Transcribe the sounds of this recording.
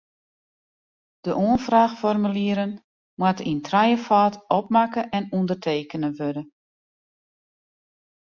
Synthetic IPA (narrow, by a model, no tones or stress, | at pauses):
d̥əʔuənfraːxfɔrmyliəɾən | mwatintʰrajəfaːtɔp̚makəʔɛnundərtʰeːkənəʋødə